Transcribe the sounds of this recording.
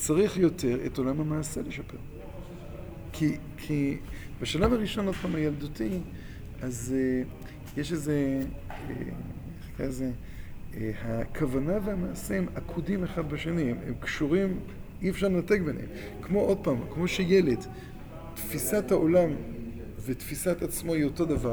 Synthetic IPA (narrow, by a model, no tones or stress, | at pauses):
t͡saʁiχjo̞te̞ʁḛto̞lamamaːseleʃapḛʁ | kʰi | kʰibeʃalavaʁiʃo̞nod̚pamhajelduti | aze | jeʃezeḛ | eχkaeze | hakʰavanavehamaːsemakʰudimeχadbeʃenimḛmkʃuʁim | iefʃaʁlenatek̚benhḛm | kmo̞ʔo̞d̚paːmkmo̞ʃejele̞d | tfisathaʔolam | vet̪fisat̪at͡smoioto̞d̪ava